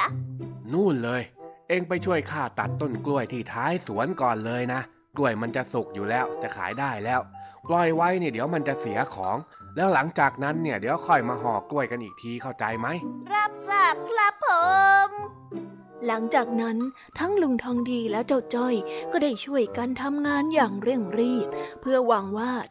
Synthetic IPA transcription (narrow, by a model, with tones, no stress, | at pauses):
nuː˥˩nlɤː˧jʔeː˧ŋpa˧˩jt͡ɕʰu˥˩əjkʰaː˥˩t̪a˨˩t̪ːo˥˩nklu˧˩əjt̪ʰiː˥˩t̪ʰaː˦˥jsu˨˩˦ənkɔː˨˩nlɤː˧jna˦˥ | klu˧˥˩əjma˧nt͡ɕa˨˩su˨˩k̚juː˨˩lɛː˦˥wt͡ɕa˨˩kʰa̰ː˩˦jdaː˥˩jlɛː˦˥wklɔ˧˩jwa˦˥jni˥˩d̪i˩˦əwma˧nt͡ɕa˨˩si˨˩˦ɐkʰɔː˩˦ŋ | lɛː˦˥wla˩˦ŋt͡ɕaː˨˩k̚na˦˥nːi˥˩ɐd̪i˨˦əwkʰɔ˧˩jmaː˧ɦɔː˨˩klu˧˩əjka˧nʔiː˨˩k̚t̪ʰiː˧kʰa˥˩wt͡ɕa˧jma˦˥jɾa˦˥p̚sa˧˩p̚kʰɾa˦˥pʰːoː˨˦m | la˩˦ŋt͡ɕaː˨˩k̚na˦˥n | t̪ʰa˦˥ŋlu˧ŋt̪ʰɔː˧ŋdiː˧lɛː˦˥wt͡ɕa˥˩t̚t͡ɕɔ˥˩jkɔː˥˩daː˥˩jt͡ɕʰu˥˩əjka˧nt̪ʰa˧mŋaː˧njaː˨˩ŋɾɯ˥˩əŋɾiː˥˩p̚ʰːɯ˥˩ɐəwa˧ŋwaː˥˩